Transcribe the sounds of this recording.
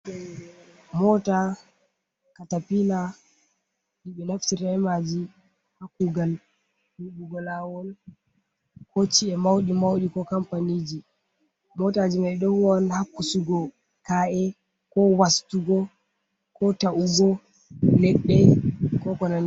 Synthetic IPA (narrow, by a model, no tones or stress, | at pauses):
ɛ | mɔta | katapina | ɗiɓɛnaftiɾaɛmad͡ʒi | hakːuɡal | huɗuɡɔlawɔn | kɔt͡ʃiɛmawɗimawɗikɔkampanid͡ʒi | mɔtad͡ʒimaɗɔhwɔnhakːusuɡɔ | kaʔɛ | kɔwastuɡɔ | kɔtaʔuɡɔ | nɛɗːɛkɔkɔnan